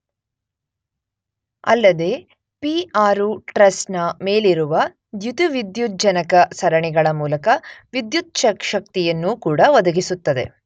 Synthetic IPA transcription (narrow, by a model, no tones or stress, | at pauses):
ɐ̰lːɐd̪e̞ː | piaːɾuʈɾɐsnɐme̞ːliɾuʋɐ | d̪jut̪uʋid̪jud͡ʒɐnɐkɐsɐɾɐɳiɡɐɭɐmuːlɐkɐʋid̪jut̪̚ʃɐkʂɐk̚t̪ijɐnːuːkuːɽɐʋɐd̪ɐɡisut̪ːɐd̪e̞̰